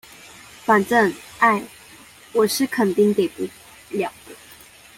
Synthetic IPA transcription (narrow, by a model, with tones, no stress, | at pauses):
fa˨˩nʈ͡ʂə˥˩ŋa˥˩ɪ | wɔ˨˩ʂɻ̩˥˨kʰə˨˩nt̪i˥˧ŋt̪e˨˩ɪpu˥˩ | ljɑ˨˩ŋt̪ə˦